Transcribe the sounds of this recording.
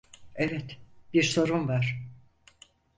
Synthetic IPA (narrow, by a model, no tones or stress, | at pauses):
evɛt̪b̥iɾso̞ɾunvaɾ̥